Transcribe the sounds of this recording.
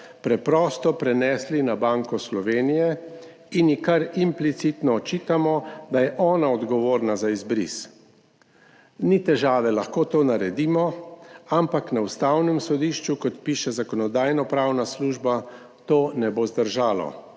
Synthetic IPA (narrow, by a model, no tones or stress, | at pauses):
pɾɛpɾɔːst̪ɔpɾɛnɛːslinabaŋkɔslɔʋeːnijɛ | injikaɾimplit̪sit̪nɔːt͡ʃiːt̪amɔd̪ajɛʔɔːnaɔd̪ɡɔʋoːɾnazaizbɾḭs | nit̪ɛʒaːʋɛlaxkoːt̪oːnaɾɛd̪iːmɔampaknaust̪awnɛmsɔd̪iːʃt͡ʃukɔt̪piːʃɛzakɔnɔd̪aːjnɔpɾawnasluːʒba | t̪oːnɛbozd̪əɾʒaːlɔ̰